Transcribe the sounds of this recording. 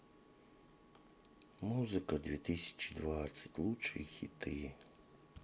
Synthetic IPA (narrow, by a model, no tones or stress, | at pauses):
muzɨkɐd̪ʋʲit̪ɪsʲɐ̥t͡ʃi̥d̪ʋat͡sʲːɐ̥tʲlˠut͡ʃeixʲit̪ɪ